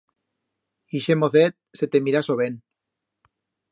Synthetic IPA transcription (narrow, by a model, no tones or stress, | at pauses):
iʃemoθet̪̚set̪emiɾasoβen